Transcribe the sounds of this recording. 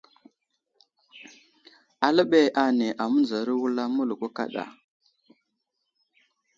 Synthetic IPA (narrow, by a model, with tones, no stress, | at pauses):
a˨lə˦ɓe˨ʔa˨ne˨ʔa˨mu˦nd͡za˨ɾi˦wu˦la˦mu˦lu˨ku˦ka̰˦ɗa̰˨